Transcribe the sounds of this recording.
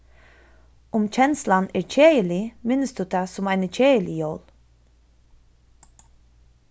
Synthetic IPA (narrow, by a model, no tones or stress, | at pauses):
ʊmt͡ʃʰɛnslanɛɹt͡ʃʰeːjəlɪmɪnəsd̪uːd̪asʊmaɪnət͡ʃʰeːjəlɪjoːl